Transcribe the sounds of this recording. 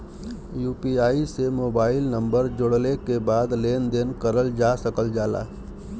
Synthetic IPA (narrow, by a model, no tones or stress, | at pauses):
juːpiaːisemoːbaːɪlnə̃mbəɾd͡ʒoɽlekebaːd̪leːnd̪eːnkəɾəld͡ʒaːsəkəld͡ʒaːla̰ː